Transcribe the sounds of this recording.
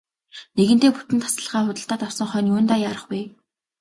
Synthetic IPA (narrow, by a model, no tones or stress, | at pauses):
neɣɘ̆nt̪eːput̪ɘ̆nt̪ʰḁsə̆ɮχaːχʊt̪ə̆ɬt̪aːt̪awsɞ̆ŋχœːnioːnt̪aːjaːɾə̆χpuj